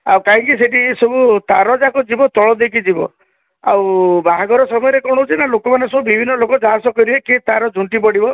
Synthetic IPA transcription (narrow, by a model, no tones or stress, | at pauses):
a̰wkaɦĩŋkiseʈisɔbut̪aɾɔd͡ʒakɔd͡ʒibɔt̪ɔɭɔd̪ek̬ʰid͡ʒibɔ | a̰wbaɦaɡɔɾɔsɔmɔjɔɾekɔɽ̃ɔɦut͡ʃʰinalokɔmanesɔbubibʱinːɔlokɔd͡ʒaɦasɔkɔɾieket̪aɾɔd͡ʒʱuɳʈipɔɽibɔ